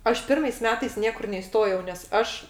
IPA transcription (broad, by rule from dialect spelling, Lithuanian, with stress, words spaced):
ˈɐʃ ˈpʲɪrmɐɪs ˈmʲæːtɐɪs ˈnʲiɛkʊr nʲɛɪˈstoːjɛʊ nʲɛs ˈɐʃ